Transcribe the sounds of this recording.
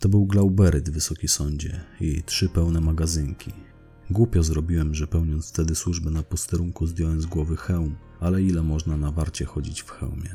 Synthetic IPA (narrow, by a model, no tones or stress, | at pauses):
t̪ɔbɘwɡlawbɛɾɘd̪vːɘsɔkʲisɔɲd͡ʑɛjitʂɘpɛwnɛmaɡazɘŋkʲi | ɡwupʲjɔzɾɔbʲiwɛmʐɛpɛwɲɔnt̪sft̪ɛd̪ɘswuʐbɛnapɔst̪ɛɾuŋkuzd̪ʲjɔwɛmzɡwɔvɘxɛwm | alɛilɛmɔʐnanavaɾt͡ɕɛxɔd͡ʑit͡ɕfxɛ̰wmʲjɛ